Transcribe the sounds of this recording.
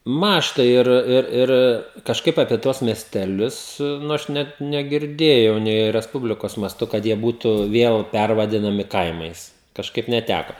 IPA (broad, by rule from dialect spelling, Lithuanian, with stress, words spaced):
ˈmɑːʃtɐ ɪr ˈɪr ˈɪr ˈɪr kɐʃˈkɐɪp ɐpʲiɛ ˈtuɔs mʲiɛsʲtʲɛˈlʲʊs ˈnʊ ˈɐʃ ˈnʲɛt nʲɛɡʲɪrʲˈdʲeːjɛʊ nʲɛɪ rʲɛsˈpʊbʲlʲɪkoːs mɐˈstʊ kɐt ˈjiɛ ˈbuːtʊ ˈʋʲiɛlˠ ˈpʲærʋɐdʲɪnɐmʲɪ ˈkɐɪmɐɪs kɐʃˈkɐɪp nʲɛˈtʲækɐ